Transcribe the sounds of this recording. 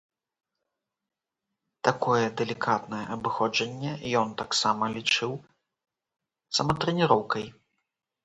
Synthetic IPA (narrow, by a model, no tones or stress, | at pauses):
t̪akɔjɛd̪ɛlʲikʰat̪nɐjɛʔɐbɨxɔd͡ʐɐnʲːɛjɔnt̪aksamɐlʲit͡ʂɨw | sɐmɐt̪ɾɛnʲiɾɔwkɐj